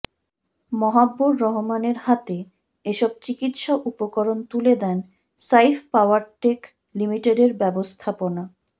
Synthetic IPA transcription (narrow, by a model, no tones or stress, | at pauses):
mɔɦabːoɾːɔɦomaneɾhat̪e | eʃɔb̚t͡ɕikit̪ʃaʔupokɔɾont̪uled̪ɛn | sajfpawaɾʈek | limiʈeɖeɾbɛbost̪ʰapona